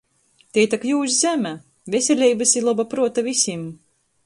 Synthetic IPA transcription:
t̪ʲet̪akjuːsʲzʲæmʲæ | vʲesʲelʲɛjbasilˠabapɾuɔt̪avisʲim

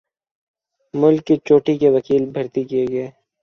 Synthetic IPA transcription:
mʊlkːit͡ʃoːʈikeʋɐkiːlbʱɐɾt̪ikijeɡɐeː

